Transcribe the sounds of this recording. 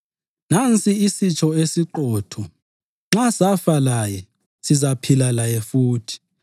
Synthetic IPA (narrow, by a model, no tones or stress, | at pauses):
nant͡sʼiisit͡ʃʰʼɔesiǃɔːtʰɔ | ŋ͡ǁasafalajɛ | sizapʰilalajɛfuːtʰi̥